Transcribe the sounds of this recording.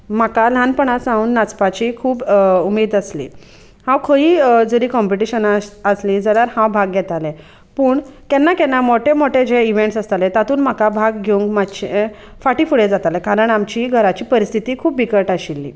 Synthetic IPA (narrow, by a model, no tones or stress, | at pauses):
makalanpəɳasãuːnːat͡spat͡ɕiːkʰuːbumiːd̪əslḭ | hãwkʰəiːd͡zəɾiːkɔmpiʈiɕənaəslĩd͡zəljaɾhãwbʱaɡɡjɛt̪alẽ | puːɳkɛnːakɛnːamoʈʰemoʈed͡ʑeiʋeɳʈsast̪alẽt̪at̪uːnm̤akabʱaɡɡʱeũŋkmaɕe | faʈiːfuɽed͡zat̪alẽkaɾəɳamt͡ɕiːɡʱəɾat͡ɕiːpəɾist̪ʰit̪iːkʰuːpːikəʈaɕilːḭː